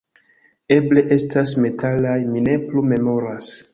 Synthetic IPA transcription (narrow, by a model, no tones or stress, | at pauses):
e̞ble̞ʔe̞stʰasme̞tʰalajmine̞plume̞mo̞ɾas